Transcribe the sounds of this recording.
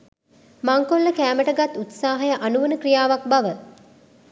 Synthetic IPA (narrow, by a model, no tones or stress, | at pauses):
maŋkolːəkæːməʈəɡat̪ːut̪saːɦɐjəʔanuʋənəkrijaːʋak̚baʋə